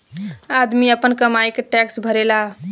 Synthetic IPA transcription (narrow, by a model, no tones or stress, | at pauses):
ad̪miəpənkəmaikʈɛksbʱəɾela